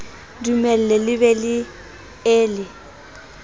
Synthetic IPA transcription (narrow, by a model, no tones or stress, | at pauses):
dumɛl̩ɛlɪβɛlɪ | eːlɪ